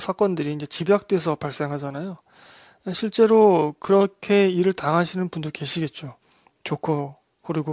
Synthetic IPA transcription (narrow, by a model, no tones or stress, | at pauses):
sʰak͈ʌndɯɾiːnd͡ʑe̞t͡ɕibjak̚t͈e̞s̬ʰʌpaɭs͈e̞ŋɦad͡ʑanajo | ɕʰiɭt͡ɕ͈e̞ɾokɯɾʌkʰe̞iɾɯɭtaŋɦaɕʰinɯnpundoke̞ɕʰiɡe̞t̚t͡ɕ͈o | t͡ɕokʰo | hoɾiɡo